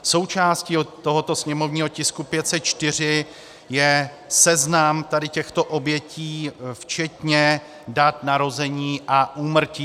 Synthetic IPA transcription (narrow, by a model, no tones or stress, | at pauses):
so̞wt͡ʃaːsciːt̪o̞ɦo̞t̪o̞sɲɛmo̞vɲiːɦo̞cɪskupjɛt̪sɛt̪̚t͡ʃt̪ɪr̝ɪ | jɛ | sɛznamt̪adɪcɛxt̪o̞ʔo̞bjɛciːft͡ʃɛt̪ɲɛ | dat̪naɾo̞zɛɲiːʔaʔuːmr̩ciː